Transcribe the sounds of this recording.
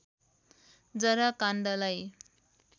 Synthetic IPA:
d͡zʌɾakanɖʌlaj

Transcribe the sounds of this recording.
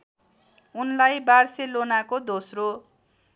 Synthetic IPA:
unlajbarselonakod̪osro

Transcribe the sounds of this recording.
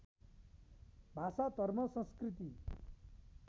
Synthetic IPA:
bʱasat̪ʌɾmʌsʌ̃nskɾit̪i

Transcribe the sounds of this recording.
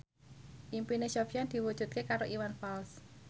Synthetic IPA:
ʔimpineʃɔfjand̪̥i̤wud̥ʒ̥ṳt̪̚kekaɾoʔiwanfals

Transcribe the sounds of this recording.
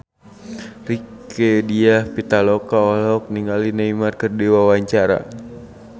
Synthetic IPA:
rikɛdiahpit̪alɔkaɔlɔk̚niŋalinaimarkərdiwawaɲt͡ʃaɾa̰

